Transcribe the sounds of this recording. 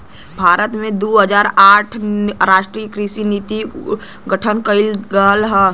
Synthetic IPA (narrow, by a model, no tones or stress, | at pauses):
bʱaːɾət̪mẽd̪oːɦəd͡ʒaːɾaːʈʰɾaːʃʈɾiːəkɾiʃinit̪i | ɡəʈʰənkəɪlɡəlɦɛː